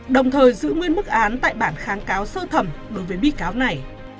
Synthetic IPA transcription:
ɗə˨˩wŋ͡mt̪ʰəː˨˩jzɨ̰˧˥ŋwi˧ənmɨ˦˥k̚ʔaː˨˦nt̪a̰ː˧˨jɓaː˧˩nxaː˨˦nkaː˨˦wsəː˧t̪ʰə˨˩mɗo˨˦jvəː˨˦jɓḭ˧˥kaː˨˦wna˨˩j

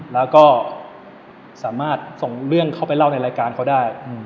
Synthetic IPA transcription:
lɛː˦˥wkɔː˥˩ | saː˩˦maː˥˩t̪̚so˨˩ŋɾɯ˥˩əŋkʰa˥˩pa˧jla˥˩wna˧jɾaː˧jkaː˧nkʰa˥wdaː˥˩j

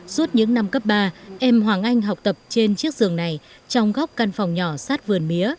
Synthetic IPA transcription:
su˦˥ət̚ɲɨ̰˧˥ŋna˧mkə˦˥p̚ɓaː˧ʔɛ˧mɦwaː˨˩ŋʔa˧jŋ̟ɦa˨˩k͡p̚t̪ə˨˩p̚t͡ɕe˧nt͡ɕɨ˦˥ək̚zɨ˨˩əŋna˨˩j | t͡ɕɔ˧wŋ͡mɣɔ˦˥wk͡p̚ka˧nfɔ˨˩wŋ͡mɲɔ˧˩saː˦˥t̚vɨ˨˩ənmi˨˦ə

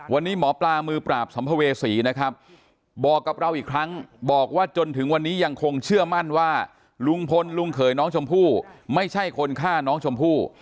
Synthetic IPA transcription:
wa˧nːiː˦˥mɔː˩˦plaː˧mɯː˧pɾaː˨˩p̚sa˩˦mpʰa˧weː˧siː˩˦na˦˥kʰɾa˦˥p̚ | bɔː˨˩kːa˨˩p̚ɾa˧wʔiː˨˩kʰɾa˦˥ŋbɔː˨˩k̚waː˥˩t͡ɕo˧nt̪ʰɯ˩˦ŋwa˧nːiː˦˥ja˧ŋkʰo˧ŋt͡ɕʰɯ˥˩ɐma˥˩nwaː˥˩ | lu˧ŋpʰo˧nlu˧ŋkʰɤː˩˦jnɔː˦˥ŋt͡ɕʰo˧mpʰuː˥˩ma˥˩jt͡ɕʰa˥˩jkʰo˧nkʰaː˥˩nɔː˦˥ŋt͡ɕʰo˧mpʰuː˥˩

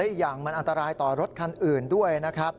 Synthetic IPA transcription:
a˦˥i˨˩k̚jaː˨˩ŋma˧nʔa˧nt̪a˧ɾaː˧jt̪ɔː˨˩ɾo˦˥t̪̚kʰa˧nʔɯː˨˩ndu˥˩əjna˦˥kʰɾa˦˥p̚

